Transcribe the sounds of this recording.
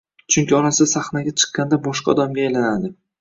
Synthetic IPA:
t͡ʃʰʊŋkʲɪɒɾasɪd̪asaχnaɡʲat͡ʃʰɨ̥qːɑnd̪abɒʃqɑ̰d̪ɒmɡʲaːjlanad̪ɪ

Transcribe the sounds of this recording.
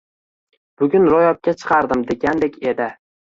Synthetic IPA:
b̥ʊɡʲʊnɾɒjɒp̚kʲat͡ʃʰɨ̥qʰɑɾd̪ɪmd̪e̞ɡʲand̪ekʲe̞d̪ɪ

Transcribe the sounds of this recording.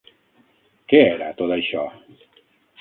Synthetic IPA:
keɛɾat̪ot̪aiʃɔ

